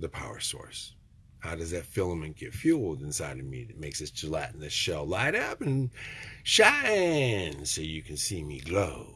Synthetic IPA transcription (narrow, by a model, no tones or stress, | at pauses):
ðɨpʰaʊə̰˞sɔ̰ɹs | haʊɾʌzðɨtfɪlˠə̃mɨ̃nɡ̥ɛtfjulˠdɨ̃nsaɪɾʌvmḭɨt̚meɪksɨsʰɨlaɪʔn̩ðɪsʃɛlˠlaɪɾʌpɨ̃n | ʃãɪnsoʊjɨkʰn̩simiɡloʊ